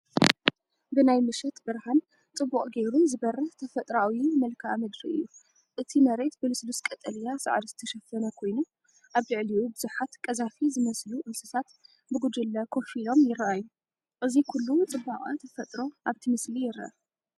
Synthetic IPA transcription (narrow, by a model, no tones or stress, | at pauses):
bɨnajmɨʃɛt̪bɨɾhan | t͡sʼɨbːuχʼɡe̞jɾuzɨbɐrːɐħt̪ʰɐfɐt̪ʼɾawimɐlkʰamɐd̪ɾiʔɨ̰jːu | ʔɨt̪ʰimɐɾe̞t̪bɨlɨsluskʼɐt̪ʼɐlijasa̰ʕd̪zɨt̪ʰɐʃɐfːɐnɐkʰo̞jnu | ʔaβlɨʕliwubɨzuħat̪kʼɐzafizɨmɐsluʔɨnsɨt̪ʰat̪ | bɨɡud͡ʒ̪ɨlːɐkʰo̞filo̞mjɪrːɐʔajːu | ʔɨzikʰulːut͡sʼɨbːaχʼat̪ʰɐfɐt̪ʼɾo̞ʔaβt̪ʰimɨslijɪrːɐ̰ʔa